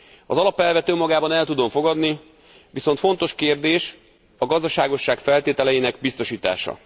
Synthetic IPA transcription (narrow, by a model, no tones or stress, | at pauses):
ɒzɒlɒpɛlvɛt̪ømːɒɡaːbɒnɛlt̪ud̪o̞ɱfo̞ɡɒd̪ni | ʋiso̞nt̪fo̞n̪t̪o̞ʃkeːrd̪eːʃ | ɒɡɒzd̪ɒʃaːɡo̞ʃːaːkfɛlt̪eːt̪ɛlɛjinɛɡbist̪o̞ʃiːt̪a̰ːʃɒ̰